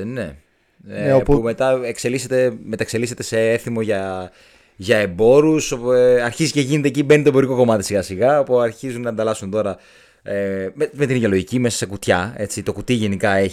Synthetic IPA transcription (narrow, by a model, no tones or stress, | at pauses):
ne | eome̞t̪ɐekse̞liset̪e̞met̪ɐekse̞likse̞t̪e̞se̞eθimo̞ʝɐ | ʝɐe̞bo̞ɾusoɐɾçiziceʝine̞t̪ecibe̞nit̪oebo̞ɾiko̞ko̞mɐt̪i̥siɣɐsiɣɐpuɐɾçizunnɐend̪ɐlɐsunt̪o̞ɾɐ | ememe̞t̪inʝo̞loʝicime̞sɐ̥sekut̪çɐe̞t͡sit̪o̞kut̪iʝe̞nikɐeç